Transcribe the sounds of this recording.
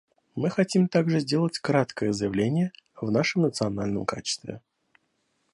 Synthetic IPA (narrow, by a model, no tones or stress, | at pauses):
mɨxɐtʲimt̪aɡʐɨzʲdʲe̞lˠətʲkɾat̪kəjəzəjɪvlʲenʲɪjəvnaʂɨmnət̪sɨɐnalʲnəmka̰t͡ɕɪ̥st̪vʲɪ̰